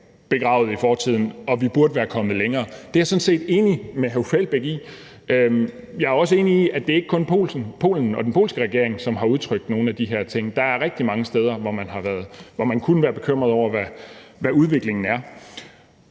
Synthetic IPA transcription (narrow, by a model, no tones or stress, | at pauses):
b̥e̝ɡ̥ʁɑ̈ʊð̩ˠifɒːt͡sʰið̰ˠn̩ɒ̽ʋib̥uɐdəʋæːɐkʰɒ̽mð̩ˠleŋɐːd̥e̝æɐsɔ̽nse̝̰ːd̥e̝ːnimeɦæfel̰b̥eɡ̥ḭ | ø | jɑ̈æɐɒ̽s̬əe̝ːniiæd̥e̝ɐe̝ɡ̥əkʰɔ̽npʰo̝̰ːlsn̩pʰo̝̰ːln̩ɒ̽d̥enpʰo̝̰ːlsɡ̥əʁɛɡ̥e̝ɐ̰e̝ŋsɒ̽mɦɑ̈uð̞ˠt͡sʰʁœɡ̥d̥no̝ːn̩æd̥iɦe̝ɐ̰t͡sʰe̝ŋ̰d̥ɑ̈æɐʁɛɡ̥̚d̥imɑ̈ŋəsd̥eːð̞ˠɐʋɒmænɦɑ̈ʋæɐð̞ˠʋɒmænkʰunəʋæːɐb̥e̝kʰøm̰ʁɐð̞ˠɒʊ̰ɐʋæʋæuð̞ˠʋe̝ɡ̥le̝ŋn̩æɐ